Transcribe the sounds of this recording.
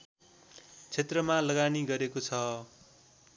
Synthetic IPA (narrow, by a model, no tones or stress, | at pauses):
t͡sʰet̪rʌmalʌɡaniɡʌɾekot͡sʰʌ